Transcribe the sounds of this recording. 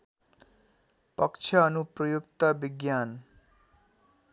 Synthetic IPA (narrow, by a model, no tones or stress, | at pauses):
pʌkt͡sʰʌːnuprʌjuk̚t̪ʌbiɡjan